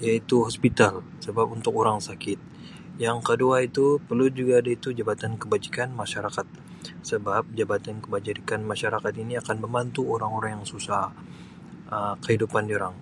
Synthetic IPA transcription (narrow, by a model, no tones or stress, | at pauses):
jait̪uɦɔspit̪al | səbapunt̪ʊkoɾaŋsakɪt̪̚ | jaŋkəduait̪upərlud͡ʒuɡaːdait̪ud͡ʒabat̪ankəbad͡ʒikanmaʃaɾakat̪̚ | səbap̚d͡ʒabat̪ankəbad͡ʒiɾikanmaʃaɾakat̪iniakanbəmbant̪uoɾaŋoɾaŋjaŋsusah | ʔəkəhidupandoɾaŋ